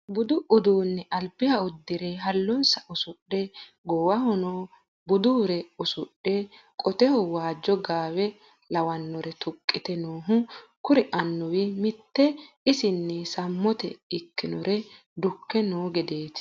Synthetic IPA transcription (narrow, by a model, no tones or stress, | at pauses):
bʊd̪ʊʔʊd̪uːnːɛʔɐlbɪhɐʊd̪ːɪɾeɦɐlːɔnsɐʔʊsʊɗɛ | ɡɔwɐhɔnoː | bʊd̪uːɾɛʊsʊɗːɛkʼɔt̪ɛhɔwaːd͡ʒːɔɡaːwɛ | lɐwɐnːɔɾɛt̪ʊkʼːɪt̪ɛnoːɦʊkʊɾɛʔɐnːɔwɪmɪt̪ːɛ | ɪsɪnːɛsɐmːɔt̪ɛɪkːɪnɔɾʔɛ | d̪ʊkːɛnoːɡɛd̪eːt̪